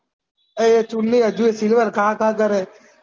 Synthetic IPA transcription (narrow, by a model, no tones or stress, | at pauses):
et͡ʃunːiːəd͡ʒuesilʋəɾkãːkãːkəɾe